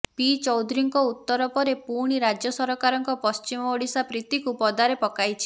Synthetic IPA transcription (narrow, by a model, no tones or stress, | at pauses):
pit͡ʃɔwd̪ɾiŋkɔut̪ːɔɾɔpɔɾepuɾɽ̃iɾad͡ʒjɔsɔɾɔkaɾɔŋkɔpɔst͡ʃimɔːɽisapɾit̪ikupɔd̪aɾepɔkajt͡ʃʰi̥